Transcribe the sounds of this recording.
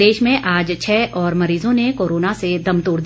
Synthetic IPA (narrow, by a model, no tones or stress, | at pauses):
eːʃmẽʔaːd͡ʒt͡ʃʰɛːʔɔːɾmɐɾiːzõnekoːɾoːnased̪ɐmt̪oːɽd̪